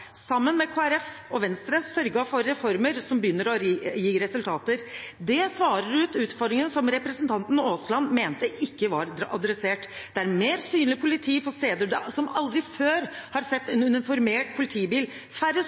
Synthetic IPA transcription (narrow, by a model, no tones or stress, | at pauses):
sɑmːənmɛkʰoːæɾɛf | ɔʋɛnst̪ɾəsœɾɡɑfɔɾːɛfɔɾməɾsɔmbəjʏnːəɾɔjiːɾɛsʉlt̪ʰɑːt̪əɾd̪ɛsʋɑːɾəɾʉːt̪ʉːt̪fɔɾɖ̪ɾɪŋənsɔmɾɛpɾəsənt̪ʰɑnt̪n̩oːslɑnmeːnt̪əʔɪkːəʋɑɾɑ̰d̪ɾɛseːʈd̪̥ɛæɾmeːɾsyːnlɪpʰʊlɪt̪ʰiːpʰɔst̪eːd̪əd̪ɛsɔmɑld̪ɾɪføːɾhɑɾsɛt̪ːɛnʉnɛnfɔɾmeːʈ̚pʰʊlɪt̪ʰiːbiːl | fæɾə